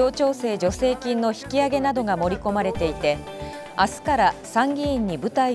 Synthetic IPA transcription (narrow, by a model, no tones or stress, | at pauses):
o̞ːt͡ɕo̞ːse̞ːd͡ʑo̞se̞ːkʲĩnːoçi̥kʲiaɡe̞nad̪o̞ɡamo̞ɾʲiko̞maɾe̞t̪e̞it̪e̞ | asɨ̥kaɾasãŋɡʲĩːɲ̟ːibɯ̟t̪ai